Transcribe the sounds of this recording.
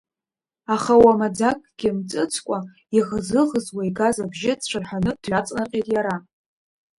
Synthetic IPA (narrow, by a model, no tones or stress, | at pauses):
aχawamad͡zakʼɡ̥ʲɪmt͡sʼɨt͡sʰkʷʼa | iʁzɨʁəzwaiɡazabʒɪt͡ɕʷʰarħʷanɨdɥat͡sʼnaqʲʼejtʼjaɾa